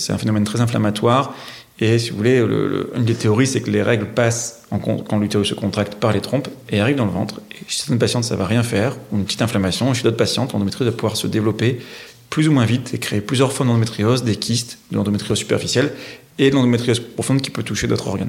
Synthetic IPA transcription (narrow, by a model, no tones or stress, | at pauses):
sɛt̪ɛ̃fenɔmɛnt̪χɛzɛ̃fla̰mat̪waʁ | esivṵvulelə̰lə̰y̰nd̪et̪eɔʁisɛkəleʁɛɡləpas | ɑ̃kɔ̰̃kɑ̃lyt̪eysəkɔ̃t̪χak̚t̪paʁlet̪χɔ̃peaʁivd̪ɑ̃ləvɑ̃t̪χeʃɛ̥t̪ɛnəpasjɑ̃t̪sa̰vaʁjɛ̃fɛʁuynpət̪i̥t̪ɛ̃flamasjɔ̃ʃid̪ot̪χpasjɑ̃t̪lɑ̃d̪ɔmet̪χizvapuvwaʁsəd̪evlɔpe | plyzumwɛ̃vit̪ekχeːplyzjœʁfɔʁmd̪ɑ̃d̪ɔmet̪χiɔzd̪ekʲʰist̪d̪əlɑ̃d̪ɔmet̪χijɔzsy̥pɛ̰ʁfisjɛl | ed̪lɑ̃d̪ɔmet̪χijɔzpχɔfɔ̃d̪kʲi̥pøt̪uʃed̪o̰t̪χɔ̰ʁɡa̰n